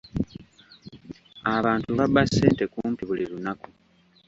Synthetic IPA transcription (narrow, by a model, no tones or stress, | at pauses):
aβaːntuβabasːeːnte̞kuːmpiβuliɾunaku